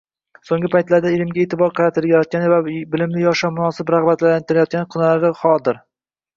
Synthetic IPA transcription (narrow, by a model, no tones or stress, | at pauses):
soŋɡʲɪpʰajt̪laɾd̪aelɪmɡʲaeːt̪ɪbɒɾqʰɑɾat̪ʰɪlajɒt̪̚kʲanɪvabɪlɪmlɪjɒʃɒmʊnɒsɪpɾaʁbat̪lalant̪ʰɪɾajɒt̪̚kʲanɪqʰʊnalaɾɪχɒlˠd̪ɪɾ